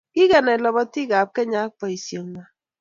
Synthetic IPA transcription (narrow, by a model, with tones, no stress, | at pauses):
ki˦ɣɛ˨na˨lɔ˨bɔ˦ti˦ɡa˨p̚kɛ˦ɲa˨˦k̚k͡pɔ˨i˨sjo˨ŋma˨